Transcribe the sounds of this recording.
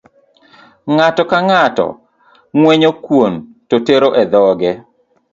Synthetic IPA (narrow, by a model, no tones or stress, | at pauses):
ŋatɔkaŋatɔ̰ | ŋweɲokwontoteɾoʔɛd̪ɔɡɛ